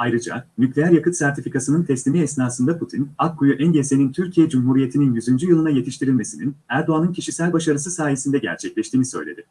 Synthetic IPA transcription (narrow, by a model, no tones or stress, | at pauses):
ajɾɯd͡ʒa̰nyclʲejæɾjakɯt̪sæɾt̪ʰifikʰasɯnɯnt̪ʰɛslʲimiɛsnaːsɯnd̪apʰut̪ʰinakʰːujuʔɛnɟese̞nint̪ʰyɾcʰijɛd͡ʒumɦuɾije̞t̪ʰininjyzynd͡ʒyjɯlˠɯnaje̞t̪ʰiʃt̪ʰiɾilʲme̞sininæɾd̪o̞anɯncʰiʃisælʲbaʃaɾɯs̬ɯsaːje̞sind̪ɛɟæ̰ɾt͡ʃʰɛclʲɛʃt̪iːnisø̞̰jlʲḛd̪ɪ